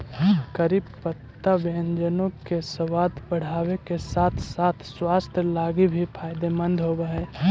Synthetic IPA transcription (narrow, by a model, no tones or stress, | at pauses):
kəɾiːbpət̪ːabend͡ʒənõkesəwaːd̪bəɽ̤aːwekesaːt̪ʰsaːt̪ʰswast̪ʰəlaːɡibʱipʰaːjd̪emənd̪ʱɦobəɦɛ